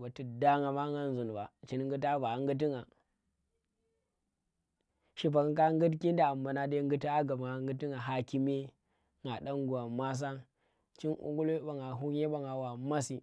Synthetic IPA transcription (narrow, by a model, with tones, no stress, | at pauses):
ba˨ti˨da˦ŋa˨ma˦ŋa˦n˦zu˨n˨ba˨t͡ʃi˦n˦ŋ˦ɡu˦t̬a˦va˨ŋɡu˦t̬i˦ŋa˨ | ʃi˦p̬a˨ŋ˦ka˦ŋɡu˦tki˦n˦da˨a˨mba˨na˦˨de˦ŋɡu˦ta˦a˦ɡa˨bŋa˨ŋɡu˦ti˦ŋa˨ɦa˦ki˦me˦ | ŋa˨ɗa˦ŋɡu˨wa˨ma˦s̬a˦ | t͡ʃi˦nṵ˦ɡu˦lo˦ɓa˨ŋa˨ɦu˦ɲe˦ɓa˨ŋa˨wa˨ma˦si˨